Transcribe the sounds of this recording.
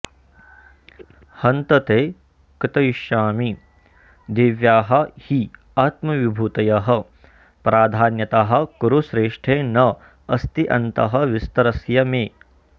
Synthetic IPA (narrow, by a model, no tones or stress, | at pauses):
hɐnt̪ɐt̪eː | kɾit̪ɐjiʃaːmi | d̪iʋjaːɦɐ̆hi | aːt̪mɐʋibʱuːt̪ɐjɐɦɐ | pɾaːd̪ʱaːnjɐt̪aːɦɐ̆kuɾuʃɾeːʂʈʰeːnɐ | ɐst̪iʔɐnt̪ɐɦɐ̆ʋist̪ɐɾɐsjɐmeː